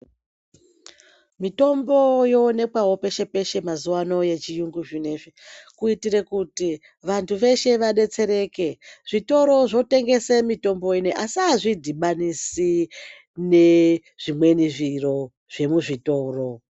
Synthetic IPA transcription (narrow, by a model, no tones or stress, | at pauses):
mito̞mbo̞jo̞ːne̞kwawo̞pe̞ʃe̞pe̞ʃe̞mazuwano̞je̞t͡ʃijuŋɡuʒine̞ʐekuitiɾekuti | ʋantʰuʋe̞ʃe̞ʋaɗe̞t͡se̞ɾe̞ːke̞ʐ̥ito̞ɾo̞ʐo̞te̞ŋɡe̞semito̞mbo̞ineʔasiaʐidʱiɓanisi | ne̞ | ʐ̥imwe̞niʐiro̞ | ʐ̥e̞muʐito̞ːro̞